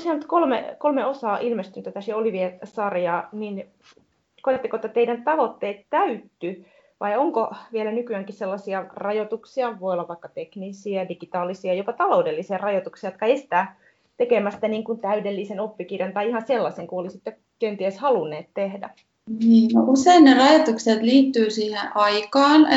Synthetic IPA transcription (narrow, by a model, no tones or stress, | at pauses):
siɑnyt̪kolmḛkolmeosɑːʔilmest̪ynyt̪ːæt̪æsjeoliʋiesɑrjɑːnin | kojɑt̪ːekoet̪ːɑt̪eidænt̪ɑʋot̪ːeːt̪t̪æyt̪ːy | ʋɑ̰ioŋkoʋielænykyæŋkisselːɑsiɑrɑjot̪uksiɑʋoijolːɑʋɑikːɑt̪eknisiɑdiɡit̪ɑːlisiɑjopɑt̪ɑloudelːisiɑrɑjot̪uksiɑjot̪̚kɑest̪æː | t̪ekemæst̪æniːŋkunt̪æydelːisenopːikirjɑnt̪ɑiihɑnselːɑseŋkuolisit̪ːe | kent̪ieshɑlunːeːt̪t̪ehdæ̰ | niːnoʔuseinnerɑjot̪ukset̪liːt̪ːyːsiːhḛ̃ʔɑikɑːn